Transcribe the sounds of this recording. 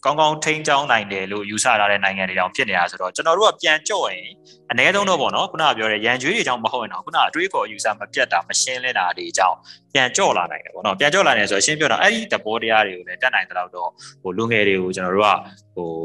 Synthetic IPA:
kã˦ʊ̃ŋɡã˦ʊ̃tʰẽ˦ɪ̃ɲt͡ɕã˦ʊ̃nã˨ɪ̃ndɛ˨lo̰˦˨ju˨sä̰˦˨tʰa˦ɾɛ̰˦˨nã˨ɪ̃ŋã˨nde˨d͡ʑã̰˦˨pʰjɪ˦ʔne˨ja˨so˨ɾɔ˨˦t͡ɕənɔ˨ɾo˦a˦˨pjã˨ɲt͡ɕɔ̰˦˨jɪ̃˨ | ʔənɛ˦zõ˦nɔ˦˨pɔ̰˦˨nɔ˦kʰu˦na˦˨pjɔ˦ɾɛ̰˦˨jã˨ɲd͡ʑwe˦ɾe˨d͡ʑã˦˨ʊ̃məho˦ʊʔɪ̃˨nã˨ku˦na˦ʔətwe˦ə˦kɔ˨ʔə˨ju˨sä̰˦˨məpjɛ˦t̪ːa˨məʃɪ̃˦lɪ̃˦nda˨de˨d͡ʑã̰˦˨ʊ̃pjã˨ɲt͡ɕɔ̰˦˨la̰˨nã̰˨ɪ̃ndɛ̰˨pɔ̰˦˨nɔ˦pjã˨ɲt͡ɕɔ̰˦˨la˨nã˨so˨ɔ̰˨ʃɪ̃˦mpjɔ̰̃˦˨ʔɛ˦i˦˨d̪əbɔ˦tə˦ja˦ɾe˨ɡo˨lɛ˦tɛ˦ʔnã˨ɪ̃əla˦ʊtːɔ˦˨ho˨lu˨ŋɛ˨ɾe˨ɡo˨t͡ɕənɔ˨ɾo̰˦˨a̰˦˨ | ho˨

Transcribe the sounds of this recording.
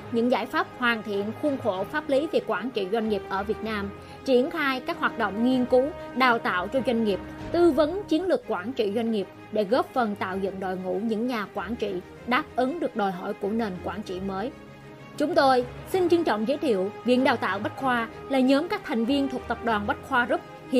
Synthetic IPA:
ɲɨ̰˧˥ŋzaː˧˩jfaː˦˥p̚hwaː˨˩nt̪ʰḭ˧˨ənxu˧ənxo˧˩faː˦˥p̚li˨˦vi˨˩kwaː˧˩nt͡ɕḭ˧˨zwa˧jŋ̟ŋi˨˩p̚ʔəː˧˩vi˨˩ət̚naː˧m | t͡ɕi˧˩ənxaː˧jkaː˦˥k̚ɦwaː˨˩t̚ɗo̰˧˨wŋ͡mŋi˧ənku˨˦ɗaː˨˩wt̪a̰ː˧˨wt͡ɕɔ˧zwa˧jŋ̟ŋi˨˩əp̚t̪ɨ˧və˨˦nt͡ɕi˨˦ənlɨ˨˩əkːwaː˧˩nt͡ɕḭ˧˨zwa˧jŋ̟ŋi˨˩əp̚ɗe˧˩ɣo˦˥p̚fə˨˩nt̪a̰ː˧˨wzə̰˧˨nɗo̰˧˨jŋṵ˧˥ɲɨ̰˧˥ŋɲaː˨˩kwaː˧˩nt͡ɕḭ˧˨ | ɗaː˦˥p̚ʔɨ˨˦ŋɗɨ˨˩ək̚ɗo˨˩jɦɔ̰˧˩jku˧˩əne˨˩nkwaː˧˩nt͡ɕḭ˧˨məː˨˦j | t͡ɕʊ˨˦ŋ͡mt̪o˧jsï˧ŋ̟t͡ɕɨ˧ŋt͡ɕɔ̰˧˨wŋ͡mzəː˨˦jt̪ʰḭ˧˨əwvḭ˧˨əŋ̚ɗaː˨˩wt̪a̰ː˧˨wɓa˦˥t̚xwaː˧laː˨˩ɲə˨˦mkaː˦˥k̚t̪ʰa˨˩jŋ̟vi˧ənt̪ʰu˨˩ək̚t̪ə˨˩p̚ɗwaː˨˩nɓa˦˥t̚xwaː˧zə˦˥t̚ | h

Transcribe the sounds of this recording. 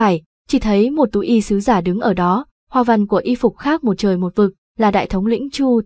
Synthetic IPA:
aː˧˩j | t͡ɕi˧˩t̪ʰə˨˦jmo˨˩t̚t̪u˨˦ʔi˧sɨ˨˦zaː˧˩ɗɨ˨˦ŋʔəː˧˩ɗɔ˨˦ | hwaː˧˩va˨˩nku˧˩əʔi˧fʊ˨˩k͡p̚xaː˦˥k̚mo˨˩t̚t͡ɕəː˨˩jmo˨˩t̚vɨ˨˩k̚ | laː˨˩ɗa̰ː˧˨jt̪ʰə˨˦wŋ͡mlwḭ˧˥ŋ̟t͡ɕu˧

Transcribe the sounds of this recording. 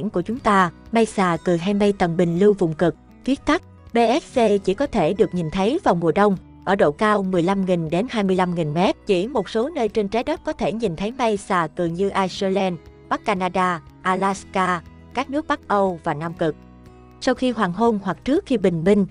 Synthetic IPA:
ŋku˧˩ət͡ɕʊ˨˦ŋ͡mt̪aː˧ma˧jsaː˨˩kɨ˨˩ɦaː˧jma˧jt̪ə˨˩mɓï˨˩ŋ̟lɨ˧wvʊ̰˧˨ŋ͡mkɨ˨˩k̚ | fi˦˥ək̚t̪a˦˥k̚ | ɓe˧ʔɛ˦˥s̚se˧t͡ɕi˧˩kɔ˨˦t̪ʰe˧˩ɗɨ˨˩ək̚ɲi˨˩nt̪ʰə˨˦jva˨˩wmu˨˩əɗə˧wŋ͡m | ʔəː˧˩ɗo̰˧˨kaː˧wmɨ˨˩əjla˧mŋi˨˩ŋɗe˨˦nhaː˧jmɨ˧əjla˧mŋi˨˩ŋmɛ˦˥t̚t͡ɕḭ˧˩mo˨˩t̚so˨˦nəː˧jt͡ɕe˧nt͡ɕa˨˦jɗə˦˥t̚kɔ˨˦t̪ʰe˧˩ɲi˨˩nt̪ʰə˨˦jma˧jsaː˨˩kɨ˨˩ɲɨ˧ʔaː˧jse˧lɛ˧nɓa˦˥k̚ːaː˧naː˧ɗaː˧ | ʔaː˧la˦˥skaː˧ | kaː˦˥k̚nɨ˦˥k̚ɓa˦˥k̚ʔə˧wvaː˨˩naː˧mkɨ˨˩k̚ | sa˧wxi˧hwaː˨˩ŋɦo˧nhwa˨˩k̚t͡ɕɨ˦˥ək̚xi˧ɓï˨˩ŋ̟mï˧ŋ̟

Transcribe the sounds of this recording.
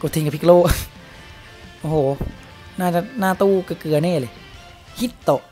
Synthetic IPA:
ko˧˩t̪ʰi˧˨ŋa˧˩pʰi˧kloː˧˩˨ʔ | ʔo˧˩hoː˨˦ | naː˧˨t͡ɕa˧˩naː˧˩˨t̪uː˧˩ka˧˩kɯ˨˩ɐnɛː˧˥˩le˨ | hi˧˥t̪t̪ɔ˧˨

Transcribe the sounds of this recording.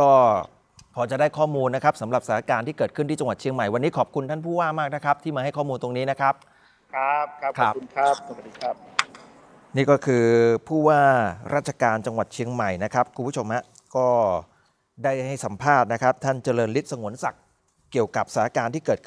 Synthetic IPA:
kɔː˥˩ | kʰɔː˧t͡ɕa˨˩daː˥˩jkʰɔː˥˩muː˧nːa˦˥kʰa˦˥p̚sa˩˦mɾa˨˩p̚sa˧˩a˧˥kaː˧nt̪ʰiː˥˩kɤː˨˩t̪̚kʰɯ˥˩nt̪iː˥˩t͡ɕa˧ŋwa˨˩t̪̚t͡ɕʰi˧əŋma˨˩jwa˧nːiː˦˥kʰɔː˨˩p̚kʰu˧nt̪ʰa˥˩npʰuː˥˩waː˥˩maː˥˩k̚na˦˥kʰɾa˦˥p̚t̪ʰiː˥˩maː˧ha˥˩jkʰɔː˥˩muː˧nt̪o˧ŋniː˦˥na˦˥kʰa˦˥p̚ | kʰp̚kʰa˦˥kʰa˦˥p̚u˧nkʰa˦˥p̚so˨˩a˨t̪̚diː˧kʰa˦˥p̚ | niː˥˩kɔː˥˩kʰɯː˧pʰuː˥˩waː˥˩ɾʔaː˥˩t͡ɕʰa˧kaː˧nt͡ɕa˧ŋwa˨˩t̪̚t͡ɕʰi˧əŋma˨˩jna˦˥kʰa˦˥p̚kʰu˧mpʰu˦˥t͡ɕʰo˧mha˦˥ʔ | kɔː˥˩ | daː˥˩jha˥˩jsa˩˦mpʰaː˥˩t̪̚na˦˥kʰa˦˥p̚t̪ʰa˥˩nt͡ɕa˧lɤː˧nli˦˥t̪̚sa˧ŋu˩˦ənsa˨˩k̚ː | i˨˩əwka˨˩p̚sa˧˩na˦˥˩kaː˧nt̪ʰiː˥˩kɤː˨˩t̪̚kʰɯ˥˩

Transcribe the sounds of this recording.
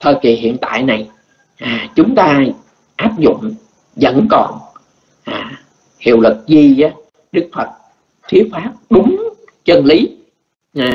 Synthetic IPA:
t̪ʰəː˧ki˨˩hḭ˧˨ənt̪a̰ː˧˨jna˨˩j | ʔaː˨˩t͡ɕʊ˨˦ŋ͡mt̪aː˧ | ʔaː˦˥p̚zʊ̰˧˨ŋ͡m | zə̰˧˥nkɔ˨˩n | ʔaː˨˩ | hḭ˧˨əwlɨ˨˩k̚zi˧aː˨˦ | ɗɨ˦˥k̚fʰə˨˩t̚ | t̪ʰi˨˦əfaː˦˥p̚ɗʊ˨˦ŋ͡m | t͡ɕə˧nli˨˦ | aː˨˩

